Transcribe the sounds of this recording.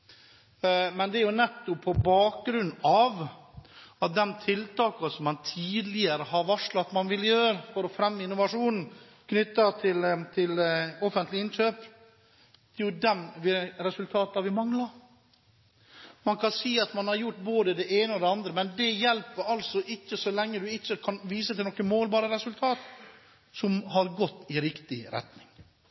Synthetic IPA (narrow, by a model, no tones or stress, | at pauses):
mɛnd̪ɛæɾjʊnɛt̪ːɔpʰːɔbɑːk̚ɡɾʉnːɑʋ | ɑt̪̚d̪ɛnt̪ʰɪlt̪ɑːkɑsɔmːɑnt̪ʰiːd̪lɪəɾəɦɑɾʋɑʂlɭɑt̪mɑnʋɪljøːɾfɔɾɔfɾɛmːəɪnːʊʋɑʂuːnn̩ | kʰnʏt̪ːɑt̪ʰɪlt̪ʰɪlɔfənt̪lɪɪnɕøːp | d̪̥ɛɾjʊd̪ɛmʋɪɾɛsʉlt̪ʰɑːt̪ɑɾʋɪmɑŋlɑɾ | mɑnkʰɑnsiːɑt̪mɑnhɑɾjʊʈːboːd̪əd̪ɛʔeːnəɔd̪ɛɑnd̪ɾəmɛnd̪ɛjɛlpːəɾɑlsɔʔɪçːəsɔlɛŋːəd̪ʉɪçːəkʰɑnʋiːsət̪ʰɪlnɔkːəmoːlbɑːɾəɾɛsʉlt̪ʰɑːt̪ | sɔmɦɑɾɡɔt̪ːɪɾɪkt̪ɪɾɛ̰t̪nɪŋ